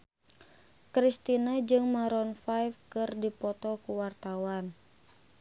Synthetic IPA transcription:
kɾist̪inad͡ʒɨŋmaɾɔnfajfkɨrdipɔt̪ɔkuwart̪awan

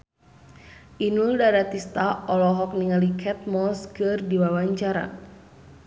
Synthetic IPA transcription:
ʔinuldaɾat̪ist̪aɔlɔɦɔk̚niŋalikʰɛt̪̚mɔskɨrdiwawaɲt͡ʃaɾa̰

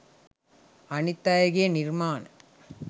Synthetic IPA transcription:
ɐnɪt̪ːaːjɐɣenɪɾmaːn

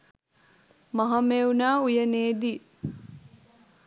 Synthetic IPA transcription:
mɐɦɐmeunaːujəneːd̪i

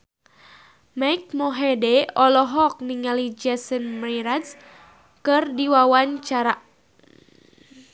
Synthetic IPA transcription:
majk̚mɔɦedɛɔlɔɦɔk̚niŋalid͡ʒɛsənmriɾads | kɨrdiwawaɲt͡ʃaɾa

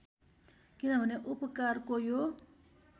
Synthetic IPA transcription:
kinʌbʱʌneʔupʌkarkojo

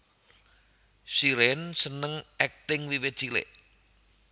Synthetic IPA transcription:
siɾensənəŋʔɛk̚t̪ɪŋwiwɪt̪̚t͡ʃilḛʔ

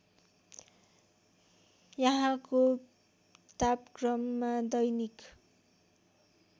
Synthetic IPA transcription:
jʌɦãko | t̪apkrʌmːad̪ʌjnik

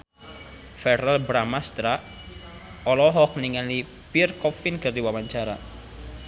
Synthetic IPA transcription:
fɛralbɾamast̪ɾaʔ | ɔlɔɦɔk̚niŋali | pirkɔfinkərd̪iwawaɲt͡ʃaɾa̰

